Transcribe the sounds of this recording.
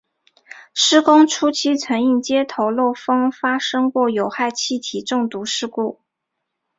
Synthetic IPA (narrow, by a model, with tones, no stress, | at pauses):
ʂɻ̩˥kʊ˥ŋʈ͡ʂʰu˥t͡ɕʰi˥t͡sʰɤ˧˥ŋi˥˩nt͡ɕjɛ˥t̪ʰo˧˥ʊlo˥˩ʊfɤ˥ŋfa˥ʂɤ˥ŋkwɔ˥˩jo˨˩ʊxa˥˧ɪt͡ɕʰi˥˩t̪ʰi˨˩ʈ͡ʂɤ˥˩ŋt̪u˧˥ʂɻ̩˥˧ku˥˩